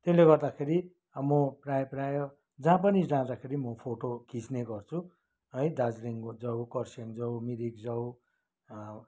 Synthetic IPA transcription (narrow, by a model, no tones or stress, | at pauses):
t̪eleɡʌrd̪akʰeɾi | mʌprajprajo | d͡zãp̬ʌnid͡zãd̪akʰeɾimʌpʰoʈokit͡sneɡʌrt͡sʰu | ɦʌjd̪ad͡zɾiŋd͡zʌwkʌrsʌŋd͡zʌwmiɾikd͡zʌw